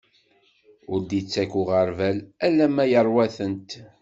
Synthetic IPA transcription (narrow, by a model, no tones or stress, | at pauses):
ʊɾd̪it͡sːækʊʁəɾvælælːæmæjəɾˤwæθənt̪